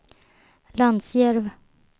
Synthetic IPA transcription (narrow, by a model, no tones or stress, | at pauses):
land̪sjɛɾv